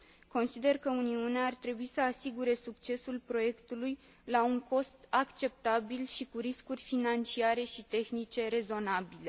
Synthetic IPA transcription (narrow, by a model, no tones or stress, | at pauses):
ko̞nsid̪e̞rkəuniuneaːrt̪ɾe̞buisəasiɡuɾe̞sukt͡ʃe̞sulpɾo̞je̞kt̪uluj | lauŋko̞st̪akt͡ʃe̞p̚t̪abilʃikuɾiskurʲfinant͡ʃiaɾe̞ʃit̪e̞xnit͡ʃe̞ɾe̞zo̞nabile̞